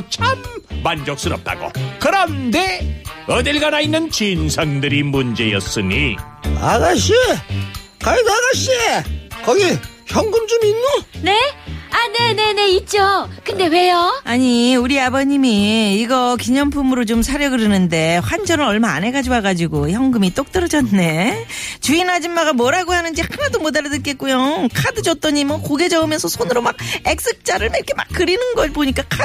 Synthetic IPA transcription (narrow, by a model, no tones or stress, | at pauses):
t͡ɕʰamːand͡ʑʌk̚s͈ɯɾʌp̚t͈a̰ɡo̰kɯɾʌnde̞ʌdɯɭɡanainːɯnt͡ɕinsʰaŋdɯɾimund͡ʑe̞jʌs͈ɯɲḭ | aɡaɕi | kajodaɡaɕiekʌɡi | çjʌŋɡɯnd͡ʑuminːone̞ane̞ne̞ne̞it̚t͡ɕ͈okɯnde̞we̞joaɲiuɾiabʌɲimiːɡʌkiɲʌmpʰumɯɾot͡ɕomsʰaɾjʌɡɯɾɯnɯnde̞ɸwand͡ʑʌnɯɾʌɭma̰ːne̞ɡad͡ʑuwaɡad͡ʑiɡoçjʌŋɡɯmit͈ok̚t͈ɯɾʌd͡ʑʌne̞t͡ɕuinad͡ʑimːaɡamwʌɾaɡohanɯnd͡ʑihanadomodaɾadɯt̚k͈et̚k͈ujokʰadɯd͡ʑʌt̚t͈ʌɲimwʌkoɡe̞d͡ʑʌɯmjʌnsʰʌsʰonɯɾomaɡ̚ek̚s͈ɯk̚t͡ɕ͈aɾɯɭmekʰema̰k̚k͈ɯɾinɯnɡʌboɲik͈akʰa